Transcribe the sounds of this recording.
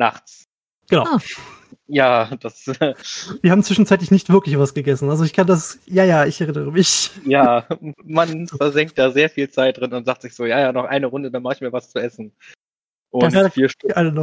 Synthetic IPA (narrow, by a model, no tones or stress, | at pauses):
na̰χt͡s | ɡ̥ənaʊ | jaːd̥as | v̥iːɐhaːbm̩t͡sv̥ɪʃn̩t͡saɪt̬lɪçnɪçtv̥ɪɐklɪçv̥asɡ̥əɡɛsn̩alzoɪçkʰandasjaːjaːɪçɛʁɪnəʁəmɪçjaːmanfɛɐzɛŋkt̚d̥aːzeːɐfiːlt͡saɪt̚d̥ʁɪnʊntz̥aːχtz̥ɪçz̥oːjaːjaːnɔχʔa̰ɪnəʁʊndədaːnmaχɪçmiːɐvast͡suʔɛsn̩ | ʔʊtaːdfiːɐʃtɪʔalənɔ